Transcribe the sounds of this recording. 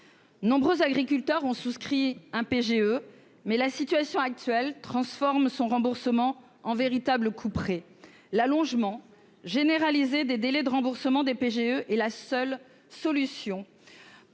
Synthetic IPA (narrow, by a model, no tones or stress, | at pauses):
nɔ̃bʁøzaɡʁikʲylt̪œʁɔ̃suskχiɛ̃peʒeø | mɛlasit̪ɥasjɔ̃ak̚t̪ɥɛlt̪χɑ̃sfɔʁmsɔ̃ʁɑ̃buʁsəmɑ̃ | ɑ̃veʁit̪abləkʰupχe | lalɔ̃ʒmɑ̃ | ʒeneʁalized̪ed̪elɛd̪əʁɑ̃buʁsəmɑ̃d̪epeʒeøʔɛlasœl | sɔlysjɔ̃